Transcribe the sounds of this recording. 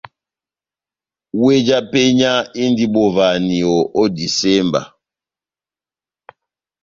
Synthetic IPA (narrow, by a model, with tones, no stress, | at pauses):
we˦d͡ʒa˦pe˦ɲa˦i˦n˦di˦ɓo˨va˨ni˨o˨ʔɔ˦di˨sɛ˦mba̰˨